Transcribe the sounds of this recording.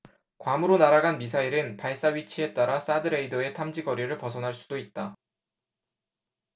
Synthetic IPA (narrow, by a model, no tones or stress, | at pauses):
kwamɯɾonaɾaɡanmis̬ʰaiɾɯnpaɭs͈aɥit͡ɕʰie̞t͈aɾas͈adɯɾeidʌe̞tʰamd͡ʑiɡʌɾjiɾɯɭpʌsʰʌnɦaɭs͈udoit̚t͈a